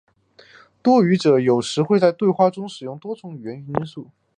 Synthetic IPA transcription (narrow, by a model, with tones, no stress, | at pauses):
t̪wɔ˥y˧˥ʈ͡ʂɤ˨˩˦jo˨˩ʊʂɻ̩˧˥xwe˥˧ɪt͡sa˥˧ɪt̪we˥˧ɪxwa˥˧ʈ͡ʂʊ˥ŋʂɻ̩˨˩jʊ˥˩ŋt̪wɔ˥t͡sʊ˧˥ŋy˨˩ɥɛ˧˥n˧˥i˥nsu˥˩